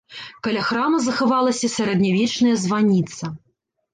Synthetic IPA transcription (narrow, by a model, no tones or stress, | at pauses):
kɐlʲaxɾamɐzɐxavalˠɐsʲɐsʲɐɾɛd̪nʲavʲit͡ʂnɐjɐzvanʲit̪sɐ